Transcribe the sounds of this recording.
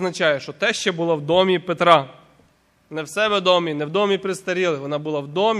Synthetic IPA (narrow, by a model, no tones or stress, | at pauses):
nɐt͡ʃɑjɛʃt͡ʃɔt̪ɛʃt͡ʃɛbʊlˠɔwd̪ɔmʲipet̪ɾɑ | nɛwsɛʋed̪ɔmʲinɛwd̪ɔmʲipɾɪst̪ɐɾʲilˠɪʋɔnɑbʊlˠɑwd̪ɔmʲ